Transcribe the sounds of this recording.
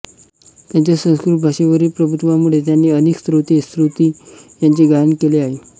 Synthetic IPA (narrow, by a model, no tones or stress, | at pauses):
t̪jaɲt͡ɕjasə̃w̃skɾuʈbʱaʂeʋəɾiːpɾəbʱut̪ʋamuɭet̪̬janːiːəneːkst̪ɾut̪est̪ɾut̪iːjaɲt͡ɕeɡaənkeleaɦe